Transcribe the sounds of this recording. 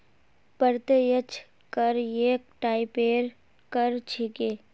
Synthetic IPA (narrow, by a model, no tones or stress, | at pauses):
pəɾt̪ejət͡ʃʰ | kəɾjeːk̚ʈaːɪpeːɾ | kəɾt͡ʃʰikeː